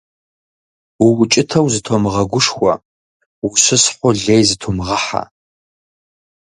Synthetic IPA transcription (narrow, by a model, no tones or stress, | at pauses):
uwʊt͡ʃʼɪtʰɐwzɨtʰomɨʁɐɡʷʊʂxʷɐ̰ | wʊɕɨsħʷʊɮejzɨtʰomʁɐħa̰